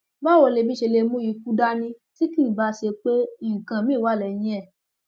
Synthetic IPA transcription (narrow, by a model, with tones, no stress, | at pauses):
ba˦wo˧le˧˨bi˦ʃe˧le˧mũ˦ji˧˦ku˦da˦nĩ˧ | ti˦kĩ˦˨ba˧˦ʃe˧k͡pe˦i˦˨kã˨mĩ˦˨wa˦˨lɛ˨j̃ĩ˦ɛ˦˨